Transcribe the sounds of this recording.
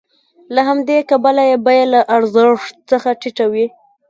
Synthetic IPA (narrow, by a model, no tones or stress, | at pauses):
laɦamd̪ekabalajebajalaʔaɾzəʂt̪̚t͡səxaʈiʈawi